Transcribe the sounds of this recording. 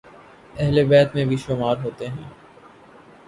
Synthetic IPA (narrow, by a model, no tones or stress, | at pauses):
ɛɦlebɛːt̪mẽbʱiʃoːmaːɾɦoːt̪eɦɛ̃ː